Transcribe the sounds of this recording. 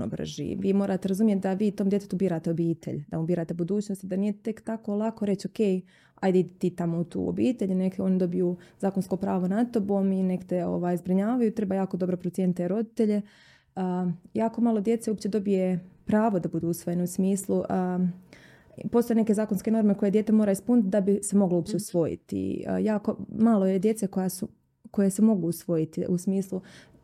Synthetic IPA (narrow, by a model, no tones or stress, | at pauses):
no̰br̩̰ʒḭʋiːmo̞ːɾʔat̪eɾazumjet̪̚d̪aʋiːt̪o̞ːmd̪jet̪et̪ubiːɾaːt̪eobiːt̪ʰḛʎd̪̥amubiːɾaːt̪ebud̪uːt͡ɕnost̪id̪aniːje̞t̪e̞kt̪ako̞lˠako̞ɾe̞t͡ɕo̞ke̞j | a̰jd̪aid̪it̪it̪amout̪ṵːo̰biːt̪e̞ʎnekeo̞nid̪o̞bijuːzaːkonsko̞pɾaːʋo̞nat̪o̞boːminekt̪eo̞̰ʋaːjzbɾiɲaːʋajuit̪ɾe̞bajaːkod̪o̞bɾopɾot̪jeːnit̪eɾo̞d̪it̪e̞ʎe̞ | jaːko̞maːlˠo̞d̪je̞t̪seupt͡ɕe̞d̪o̞bije̞pɾaːʋod̪abud̪uːusʋojeneusmiːslˠu | po̞st̪oene̞ke̞zaːkonske̞no̞ɾmeko̞jejet̪emoːɾaispunit̪̚d̪abisemo̞ɡlouːpt͡ɕe̞usʋo̞jḭt̪ḭjaːko̞maːlˠoje̞d̪je̞t̪seko̞jasu | ko̞je̞semo̞ɡuːsʋo̞jit̪iʔusmiːslˠu